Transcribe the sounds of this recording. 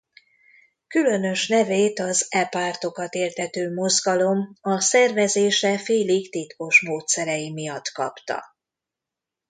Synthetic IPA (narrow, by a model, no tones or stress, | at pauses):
kylø̞nø̞ʃnɛveːt̪ɒzɛpart̪o̞kɒt̪eːrt̪ɛt̪øːmo̞zɡɒlo̞mɒsɛrvɛzeːʃɛfeːliɡt̪it̪ko̞ʃmoːt̪sɛɾɛjimijɒt̪kɒpt̪ɒ̰